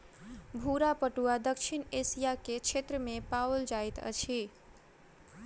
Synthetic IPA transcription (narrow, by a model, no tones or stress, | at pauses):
bʱuɾapəʈuad̪əkʃʰinesijaket͡ʃʰet̪ɾəmẽpawld͡ʒajt̪ə̰t͡ʃʰi